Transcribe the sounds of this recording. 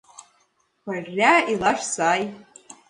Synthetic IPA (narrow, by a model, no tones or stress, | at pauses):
kʷarʲːailaʂsaːj